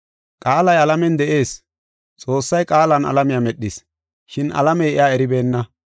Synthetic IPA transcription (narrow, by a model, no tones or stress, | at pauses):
kʼaːlɐjɐlɐmɛnd̪ɛʔe̞ːs | t͡sʼo̞ːsːɐjkʼaːlɐnɐ̰lɐmɪjamɛɗːɪs | ʃɪnɐ̰lɐmɛjɪjaːɛɾɪbe̞ːnːɐ